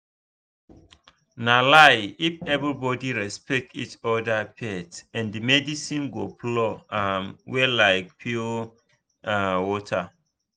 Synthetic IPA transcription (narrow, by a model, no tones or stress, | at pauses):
nalaɪifɛvɹibɔdiɹɛspɛk̚tit͡ʃɔdapʰɛtɛ̃ndimɛdisĩnɡoplɔamwɛlaɪk̚pʰio | awɔtʰa